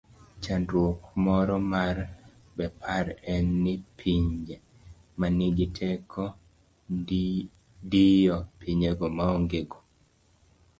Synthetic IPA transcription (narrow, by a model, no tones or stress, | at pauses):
t͡ʃandɾwokmɔɾɔmar | bɛpʰaɾɛnːɪpʰiɲd͡ʒe | manɪɡɪtʰɛkʰɔ | dijɔpʰiɲeɡɔmaoŋɡeɡɔ